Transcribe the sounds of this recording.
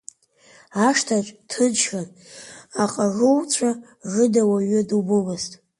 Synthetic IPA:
aʂtʰat͡ʃʷʼtʰɨd͡ʒxan | aqʼarɨwt͡ɕʷʰa | ɣɨdawaɥɨdubomaztʼ

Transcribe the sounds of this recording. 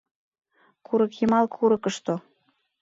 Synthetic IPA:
kuɾɤkjəmɑlˠkʰuɾɤ̆kəʃt̪o

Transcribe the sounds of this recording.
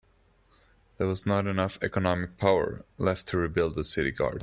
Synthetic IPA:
ðə˞wʌznəɾɨnʌfɛ̰kənɑmɪk̚pʰaʊə̰˞lɛftʰɨɹibɪlˠd̪̚ðəsɪɾḭɡɑ̰ɹd

